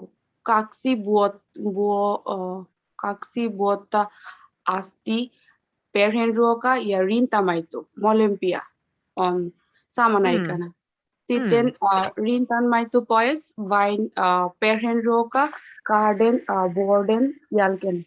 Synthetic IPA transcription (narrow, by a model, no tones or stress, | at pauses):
kaksibuot̪̚bu | kaksibuot̪ːa | ast̪i | peɾenɾokajaɾint̪amajt̪umɔlempija̰ | ɔn | samanajkɐna | t̪it̪enɾint̪anmajt̪upɔjesʋajnpeɾenɾokakaɾɖenboɾɖenjalken